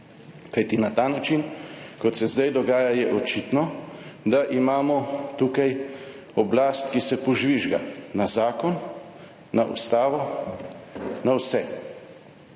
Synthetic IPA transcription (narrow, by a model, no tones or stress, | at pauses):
kajt̪inat̪aːnat͡ʃinkɔt̪sɛzd̪ajd̪ɔɡaːjajɛʔɔt͡ʃit̪nɔd̪aʔimaːmɔt̪ukaj | ɔblaːst̪kisɛpɔʒʋiʒɡa̰nazaːkɔn | naʔṵst̪aːʋɔ | nawsɛ